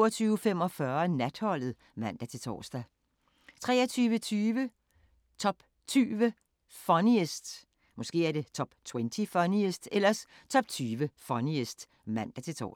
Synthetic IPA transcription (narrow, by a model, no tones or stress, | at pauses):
ɐt͡sʰyːʊfem̰ɒ̽fɶɐnæd̥hɒ̽l̰ð̩ˠ | mæn̰d̥æt͡sʰe̝t͡sʰɒ̰ːsd̥æ | t͡sʰʁɛ̰ːɐt͡sʰyːʋət͡sʰyːʋə | t͡sʰɒ̽b̥ | t͡sʰyːʋə | fɒniesd̥ | mɒ̽sɡ̥e̝̰ːæɐɾ̥e̝t͡sʰɒ̽b̥t͡sʰwent͡sʰifɒniesd̥elɐs | t͡sʰɒ̽b̥t͡sʰyːʋəfɒniesd̥ | mæn̰d̥æt͡sʰe̝t͡sʰɒ̰ː